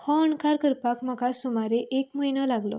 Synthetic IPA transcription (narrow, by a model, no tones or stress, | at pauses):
hɔəɳkaɾkəɾpakmakasomaɾeʔekməjnəlaɡlɔ̰